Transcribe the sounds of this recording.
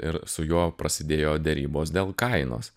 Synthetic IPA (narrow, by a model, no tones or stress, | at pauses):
ɪ̰ɾsʊjuɔpɾɐsʲɪd̪ʲeːjoːd̪ʲɛɾʲiːboːsd̪ʲeːlˠkɐɪno̰ːs